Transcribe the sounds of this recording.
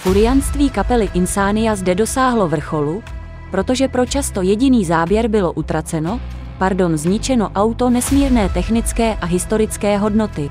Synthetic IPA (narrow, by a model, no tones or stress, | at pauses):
kuɾɪjanst̪viːkapɛlɪʔɪnsaːnɪjazdɛdo̞saːɦlo̞vr̩xo̞lu | pɾo̞t̪o̞ʒɛpɾo̞t͡ʃast̪o̞jɛɟɪniːzaːbjɛɾbɪlo̞ʔut̪ɾat͡sɛno̞ | paɾdo̞nzɲɪt͡ʃɛno̞ʔawt̪o̞nɛsmiːɾnɛːt̪ɛxnɪt͡skɛːʔaɦɪst̪o̞ɾɪt͡skɛːɦo̞dno̞t̪ɪ